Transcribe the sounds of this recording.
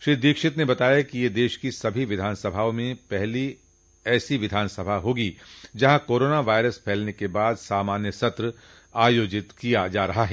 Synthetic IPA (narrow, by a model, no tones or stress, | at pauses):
ʃɾɪd̪iːkʃɪt̪nebɐt̪aːjakijed̪eːʃkisɐbʱiʋɪd̪ʱaːnsɐbʱaːõmẽpɛɦli | ɛːsiʋɪd̪ʱaːnsɐbʱaɦoːɡid͡ʒɐɦãkoːɾoːnaʋaːɪɾəspʰɛːlnekebaːd̪saːmaːnjəsɐt̪ɾə | aːjoːd͡ʒɪt̪kijad͡ʒaːɾɐɦaɦɛː